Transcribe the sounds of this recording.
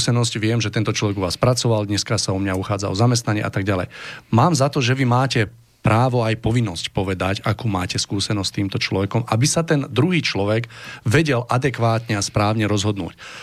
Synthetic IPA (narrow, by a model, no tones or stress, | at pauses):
sɛnɔscʋɪɛmʒɛt̪ɛnt̪ɔt͡ʃlɔʋɛɡuʋaːspɾat͡sɔʋald̪ɲɛskasaɔmɲauxaːd͡zaɔzamɛst̪naɲɪɛ̰ʔa̰t̪aɡ̚ɟalɛ̰jmaːmzat̪ɔʒɛʋimaːcɛ | pɾaːʋɔajpɔʋinːɔscpɔʋɛd̪acakuːmaːcɛskuːsɛnɔsct̪iːmt̪ɔt͡ʃlɔʋɛkɔmabisat̪ɛnd̪ɾuɦiːt͡ʃlɔʋɛɡʋɛɟɛlʔad̪ɛkʋaːt̪ɲɛaspɾaːʊɲɛɾɔzɦɔd̪nṵːc